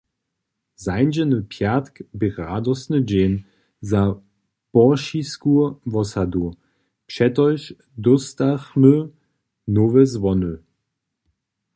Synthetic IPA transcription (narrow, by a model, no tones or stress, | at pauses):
zaɪnd͡ʒənəpʰjatkbəʁaːdɔsnəd͡ʑeːn | za | b̥ɔʃiskuvɔsadu | pʃɛtɔʏʃ | dɔstaχmø | novəzvɔnø